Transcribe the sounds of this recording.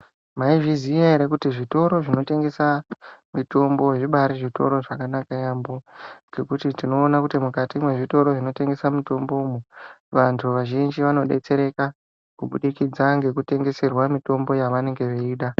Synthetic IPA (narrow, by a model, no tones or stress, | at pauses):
maiʐiziaeɾekutiʐito̞ɾo̞ʐino̞te̞ŋɡe̞samito̞mbo̞ʐiɓaɾiʐito̞ɾo̞ʐakanakajamboɡe̞kutitino̞ːnakutimukatimwe̞ʐito̞ɾo̞ʐino̞te̞ŋɡe̞samito̞mbomuʋantʰuʋaʒind͡ʒiʋano̞ɗe̞̰t͡se̞ɾe̞ka | kuɓuɗikid͡zaŋɡe̞kute̞ŋɡe̞se̞rwamito̞mbo̞jaʋane̞ŋɡe̞ʋeiːɗa